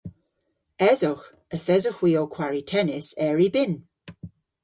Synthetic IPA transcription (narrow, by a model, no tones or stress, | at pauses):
ɛzʊx | əθɛzʊxwiːɔkʰwaɹitʰɛnɪsɛɹibɪn